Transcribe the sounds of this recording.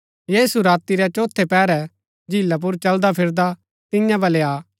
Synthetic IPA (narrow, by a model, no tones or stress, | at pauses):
jeːsuɾaːt̪iɾɛt͡ʃoːt̪ʰːepɛːɾɛ | d͡ʒɪlːap̬ʊɾt͡ʃɐld̪apʰɪɾd̪a | t̪ɪ̃jãbʱɐleaː